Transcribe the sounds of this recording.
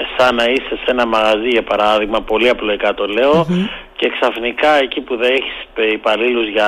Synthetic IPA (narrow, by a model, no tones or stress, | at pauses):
sɐnɐist̪e̞se̞nɐmɐɣɐziʝɐpɐɾɐðiɣmɐpo̞liɐploikɐt̪o̞le̞oce̞ksɐfnikɐecipuðeeçi̥seipɐliluzʝɐ